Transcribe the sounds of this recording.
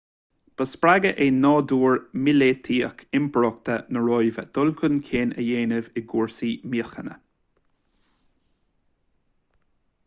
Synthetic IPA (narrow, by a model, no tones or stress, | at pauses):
b̥əspɹaɡəʔenɔːd̪uːɹmɪlet̪ʰiːəkʰɪmpʰəɹɔk̚t̪ənəɹɔjvəd̪̥ʊlkʰʊnkʰeːnə̰jeːnɪvɪɡuːɹsiːmiəxənə̰